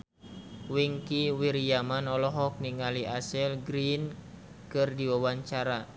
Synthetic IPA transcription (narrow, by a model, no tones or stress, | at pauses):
wiŋkiwiɾijamanɔlɔɦɔk̚niŋaliʔasɛlɡɾin | kɨrdiwawaɲt͡ʃaɾa